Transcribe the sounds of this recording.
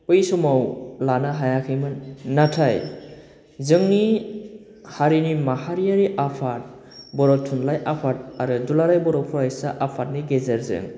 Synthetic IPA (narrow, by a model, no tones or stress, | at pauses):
pɯjsɔmawlanaɦajakʰɯjmɯnːatʰaj | zɯŋni | haɾinimahaɾijaɾiʔapʰat̚ | bɔɾɔtʰːunlajʔapʰat̚aɾɯdulaɾajbɔɾɔpʰuɾajsaʔapʰat̚niɡezaɾzɯ̰ŋ